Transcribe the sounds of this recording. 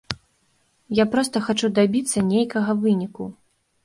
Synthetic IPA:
japɾɔst̪ɐxat͡ʂud̪abʲit̪sːɐnʲejkɐɣɐvɨnʲiku

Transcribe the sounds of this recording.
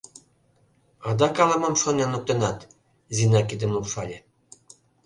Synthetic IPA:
ɑd̪ɑkɑlɑmɑmʃonenok̚t̪enɑt̪ | zinɑkid̪ɘ̆mukʃɑlʲe

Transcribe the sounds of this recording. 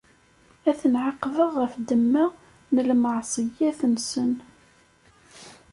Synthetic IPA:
æθənʕɑqːvəʁːəfd̪əmːa | nəlmɑʕsˤijæθənsən

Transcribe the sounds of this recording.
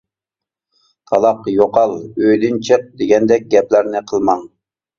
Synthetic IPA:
t̪ʰɑlˠɑqjoqɑlˠøjd̪ɪnt͡ʃʰəq̚d̪eɡʲɛnd̪ɛk̚ʲɡʲɛplæɾnɪqʰəlˠmɑŋ

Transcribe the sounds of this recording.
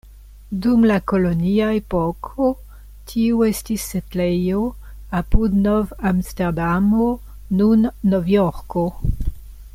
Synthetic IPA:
dumlakoloniaepokʰo | tʰiuestisːetlejo | apudnovamsteʁdamo | nunːovjoɾko

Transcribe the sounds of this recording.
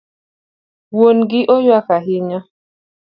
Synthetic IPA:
wonɡɪʔojwakaɦiɲa

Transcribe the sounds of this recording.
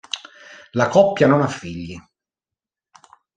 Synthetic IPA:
lakɔpːjanɔnafːiʎːi

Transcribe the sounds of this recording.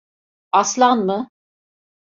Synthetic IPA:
ɑslˠɑnmə

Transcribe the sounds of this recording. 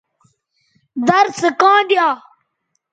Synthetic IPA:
d̪ɐɾsəkãːd̪ijaː

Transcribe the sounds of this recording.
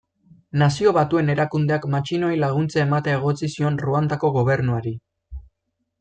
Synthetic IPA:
nasio̞βat̪ue̞ne̞ɾakund̪e̞akmat͡ʃino̞jlaɣ̞unt͡sae̞mat̪eaeɣ̞o̞t͡sisio̞nruand̪ako̞ɣo̞β̞e̞ɾnuaɾi

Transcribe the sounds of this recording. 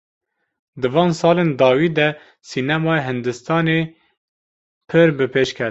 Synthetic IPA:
d̪ɨvɑːnsɑːleːnd̪ɑːwiːd̪ɛ | sinɛmɑːjɦɨnd̪ɨst̪ɑːne | pʰɨɾbɨpʰeːʃkʰɛ

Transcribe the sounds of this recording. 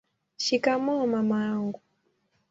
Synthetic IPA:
ʃikamɔmamaŋɡu

